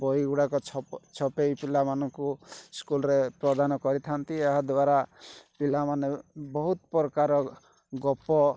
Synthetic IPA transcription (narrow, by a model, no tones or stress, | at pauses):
bɔjɡuɽakɔt͡ʃʰt͡ʃʰɔpejpilamanɔŋkuskulɾepɾɔd̪anɔkɔɾit̪ʰant̪ieɦad̪waɾapilamanebɔɦut̪pɔɾɔkaɾɔ | ɡɔpɔ